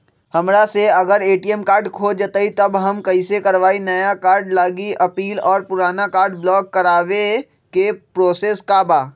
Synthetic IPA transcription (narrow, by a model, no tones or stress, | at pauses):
hɐmɾaseɐɡəɾeːʈiɛmkaːɾɖkʰoːd͡ʒət̪ait̪ɐbɦɐmkɐisekɐɾʋaːinɐjakaːɾɖlaːɡiʔɐpiːlɔːɾpʊɾaːnakaːɾɖblɔːkːɐɾaːʋe | kepɾoːseːskaːbaː